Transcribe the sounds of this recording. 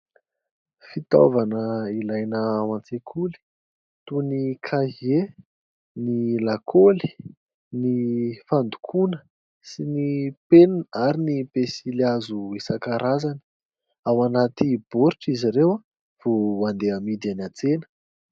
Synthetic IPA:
fit̪o̰vanəilajnəawant͡sekʰuli̥ | t̪unikʰaɦe | nilakʰoli̥ | nifand̪u̥kʰunə | sinipennaɾinipesiliazuisakaɾazanə̥ | awanat̪ib̥oɾiʈ͡ʂiziɾewa | v̥oand̪eamid̪ianat͡senə̥

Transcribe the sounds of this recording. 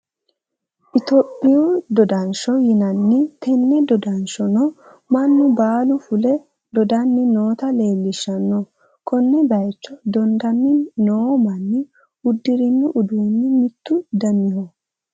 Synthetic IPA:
ʔɪt̪ɔpʼːɪjod̪ɔd̪ɐnʃɔjɪnɐnːɪt̪ʰɛnːɛd̪ɔd̪ɐnʃɔnɔ | mɐnːʊbaːlʊfʊlɛ | d̪ɔd̪ɐnːɪnoːt̪ɐle̞ːlːɪʃːɐnːɔ | kʰɔnːɛbɐjt͡ʃːɔd̪ɔnd̪ɐnːɪnoːmɐnːɪ | ʊd̪ːɪɾɪnːʊʔʊd̪uːnːɪmɪt̪ːʊd̪ɐmːɪhɔ

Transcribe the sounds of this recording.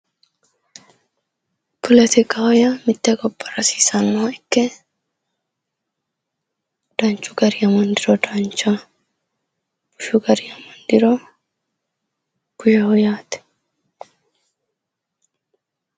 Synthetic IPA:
pʰɔlɛt̪ɪkʼahɔjɐmɪt̪ːɛkɔpʼːɐɾɐsiːsɐnːɔɐɪkːɛ | d̪̥ɐnt͡ʃʼːʊɡɐɾɪjɐmɔnd̪ɪɾɔd̪ɐnt͡ʃːɐ | b̥ʊʃʊɡɐɾɪjɐmɔnd̪ɪɾɔ | ɡ̥ʊjɐɔjaːt̪ɛ̥

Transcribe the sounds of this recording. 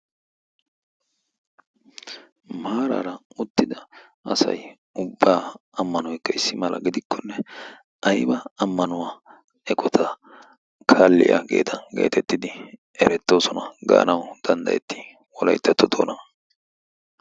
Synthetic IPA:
maːɾa̰ːɾɐʊt̪ːɪd̪ɐɐsɐ̰j | ʊbːaːɐmːɐnɔjkːɐɪsːɪmɐlʔɐ̰ɡɪd̪ɪkʰːɔnːɛ | ɐjbɐːmːɐnʊwaː | ɛkʼɔt̪ʰɐ | kʰaːlːɪ̰ja̰ɡḛːt̪ʰɐnɡḛːt̪ɛt̪ːɪd̪ɪ | ɛɾɛt̪ːo̞ːsɔnɐɡa̰ːnɐwd̪̥ɐnd̪ɐ̰jɛt̪ːɪ̥ | wɔlɐjt̪ːɐt̪ːɔd̪o̰ːnɐ

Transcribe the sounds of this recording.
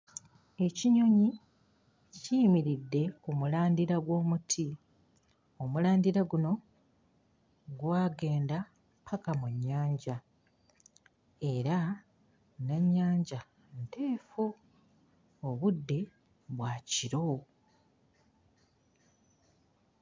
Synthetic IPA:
e̞ciɲo̞ɲi | cimiɾidːe̞kumulaːndiɾaɡwo̞ːmutʰi | omulaːndiɾaɡuno̞ | ɡwaːɡe̞ːnda | pʰakamuɲːaːɲɟa | e̞ɾa | naɲːaːɲɟa | nte̞ːfu | oβudːe̞ | βwaːciɾo̞

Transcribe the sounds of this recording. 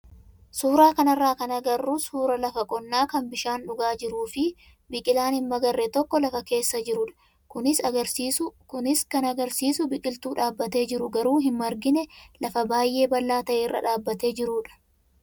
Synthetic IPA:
suːɾaːkɐnɐrːaːkɐnɐɡɐrːuːsuːɾɐlɐfɐkʼɔnːaːkɐnbɪʃaːnᶑʊɡaːd͡ʒɪɾuːfɪ | bɪkʼɪlaːnhɪmːɐɡɐrːɛt̪ɔkːɔlɐfɐke̞ːsːɐd͡ʒɪɾʊᶑɐ̥ | kʊnɪsɐɡɐɾkʊnɪskɐnɐɡɐɾsiːsʊbɪkʼɪlt̪uːᶑaːbːɐt̪e̞ːd͡ʒɪɾʊɡɐɾuːɦɪnmɐɾɡɪnɛlɐfɐbaːjʔe̞ːbɐlːaːt̪ɐʔeːrːɐ̰ᶑaːbːɐt̪e̞ːd͡ʒɪɾuːᶑɐ̥

